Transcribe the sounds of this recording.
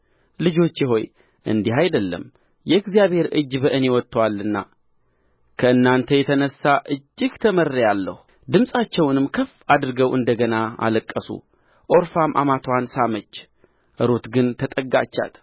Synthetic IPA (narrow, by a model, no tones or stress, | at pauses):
lɨd͡ʒo̞t͡ʃːɪɦo̞j | ʔɨ̰nd̪iɦajd̪əlːə̰m | jɛɨɡzijaβhe̞ɾɨd͡ʒːbəʔɨne̞wɔt̪ʰːəwalːɨnːa̰ | kʰəɨnːant̪ʰəjɛt̪ʰənəsːaʔɨd͡ʒːɨɡt̪ʰəmərːjalːə̰hu | d̪ɨmsʼat͡ʃːɛwnɨmkʰəfːad̪ɾɨɡəwʔɨnd̪əɡənaa̰ləkʼːəsṵ | ʔo̞ɾfamʔa̰mat̪ʰwansamət͡ʃː | ʔɨɾot̪ɡɨnt̪ʰət̪ʼəɡa̰t͡ʃːa̰t̪